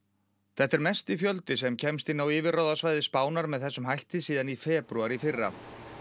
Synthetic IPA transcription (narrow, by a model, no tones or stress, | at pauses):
θɛt̪ːɛɾmɛst̪ɪfjœlt̪ɪsɛmcʰɛmst̪inaːwɪːvɪɾrawðasvaːjðɪspaːwnaɾmɛðθɛsːʏmɦajht̪ɪsiːðanifɛːpɾuaɾifɪrːa̰